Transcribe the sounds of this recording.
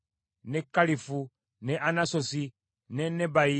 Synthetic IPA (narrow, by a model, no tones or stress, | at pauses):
nɛkalifu | nɛʔanasosi | nɛnɛbai